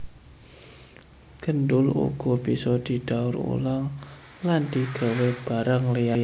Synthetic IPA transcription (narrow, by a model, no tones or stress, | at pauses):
ɡ̥əndʊlṵɡ̥ɔbisɔd̪̥i̤d̥aʊɾṵlaŋ | land̪iɡ̥a̤web̥aɾaŋleja